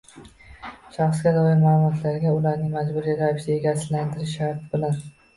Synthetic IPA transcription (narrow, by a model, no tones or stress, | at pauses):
ʃɑχsɡʲad̪ɒɪɾmaːlˠʊmɒt̪ʰlaɾɪɡʲaʊlaɾnɪŋmad͡ʒbʊɾiɾavɪʃieɡʲasɪland̪ʰɪɾɪʃhaɾt̪ɪbɪlan